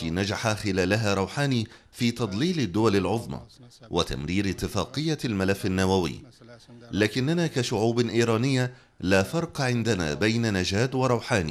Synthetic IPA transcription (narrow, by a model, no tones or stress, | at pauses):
iːnad͡ʒaħaxɪlaːlaɦaːɾˤɑwħaːniː | fiːt̪ɑd̪ˤliːlɪd̪ːʊwalalʕʊðˤma̰ | wʔɪ̰t̪a̰mɾiːɾɪt̪ːɪfɑːqɨjːalmalafːanːawawɪ̰ː | laːkɪnːanaːkaʃʊʕuːbʔiːɾˤɑːnɪjːa | laːfɑɾˤqɑʕɪnd̪ana̰ːbajnanad͡ʒaːd̪wɑɾˤɑwħaːnḭː